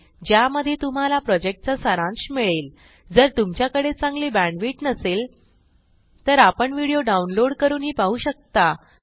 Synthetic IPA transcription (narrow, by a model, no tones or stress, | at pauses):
d͡ʑjaməd̪ʱːjet̪um̤alapɾɔd͡ʑek̚ʈ̚t͡sasəɾãŋɕmiɭeːl | d͡zəɾt̪umt͡ɕjakəɽet͡sãŋɡliːbæ̃ɳɖʋiːʈnəsel | t̪əɾapəɳʋiɽijoɖaunloɽkəɾuːnɦiːpaɦuːɕək̚t̪a